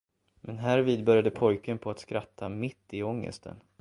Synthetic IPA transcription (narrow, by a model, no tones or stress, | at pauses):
mʔɛnɦæːɾviːd̪bœɾjad̪əpʰɔjkənpʰɔat̪skɾat̪ʰːamɪt̪ːɪɔŋːə̰st̪ʰə̰n